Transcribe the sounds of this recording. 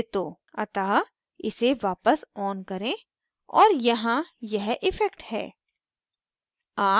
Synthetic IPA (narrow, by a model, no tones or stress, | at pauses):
t̪oː | ɐt̪aː | ɪseʋaːpəsɔːnkɐɾẽ | ɔ̰ːɾjɐɦãjɛɦʔɪfɛkʈhɛ̰ː | aː